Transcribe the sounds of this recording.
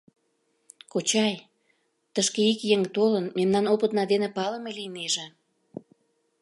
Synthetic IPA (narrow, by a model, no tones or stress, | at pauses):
kot͡ɕɑj | t̪əʃkeikjeŋt̪olənmemnɑnopət̪nɑd̪enepɑləmelijneʒĕ